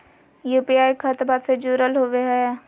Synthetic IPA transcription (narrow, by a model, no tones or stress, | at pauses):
juːpiaːikʰət̪bat̪sed͡ʒuːɾəlɦoːʋeɦɛː